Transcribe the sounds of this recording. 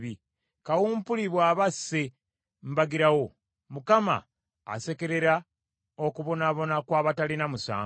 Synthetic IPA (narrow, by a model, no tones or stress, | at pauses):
i | kawuːmpuliβwaːβasːe | mbaɡiɾawo | mukama̰ː | se̞ke̞ɾe̞ɾa | o̞kuβo̞naːβo̞nakwaːβatalinamusa̰ː